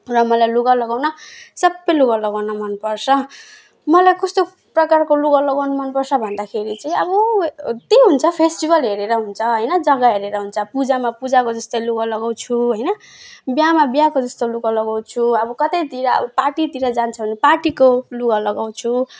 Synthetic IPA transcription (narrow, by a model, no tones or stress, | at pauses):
rʌmʌlajluɡalʌɡawnʌsʌbːʌjluɡalʌɡawnʌmʌnpʌrt͡sʰʌ | mʌlajkʌst̪o | prʌkarkoluɡalʌɡawnʌmʌnpʌrsʰʌbʱʌnd̪akʰeɾit͡sʌĩʌbʌt̪eɦunt͡sʰʌpʰesʈibʌlɦeɾeɾʌɦunt͡sʰʌɦʌjnʌd͡zʌɡʌɦeɾeɾʌɦunt͡sʰʌpud͡zamapud͡zakod͡zʌst̪ʌjluɡalʌɡaw̃t͡sʰuɦʌjnʌ | bjamabjakod͡zʌst̪oluɡalʌɡaw̃t͡sʰuʌbʌkʌt̪ʌjt̪iɾʌʌ̰bʌpaʈit̪iɾʌd͡zant͡sʰʌbʱʌnepaʈikoluɡʌlʌɡaw̃t͡sʰu